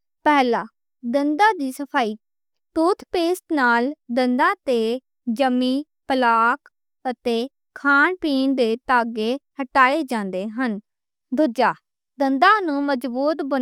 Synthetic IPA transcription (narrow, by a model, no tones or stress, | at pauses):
pɛːlaː | d̪ənd̪ãːd̪iːsəpʰaːiː | t̪uːt̪ʰpeːsʈnaːld̪ənd̪ãːt̪eː | d͡ʒəmːiː | pəlaːk | ət̪eː | kʰaːɳpiːnd̪eːt̪aːɡeːhəʈaːeːd͡ʒãːnd̪eːɦən | d̪ʱʊd͡ʒaː | d̪ənd̪ãːnũːməd͡ʒbuːt̪bə